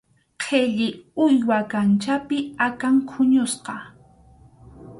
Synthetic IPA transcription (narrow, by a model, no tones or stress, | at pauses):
qʰeʎɪʊjwakant͡ʃapɪakaŋkʰʊɲʊsqɑ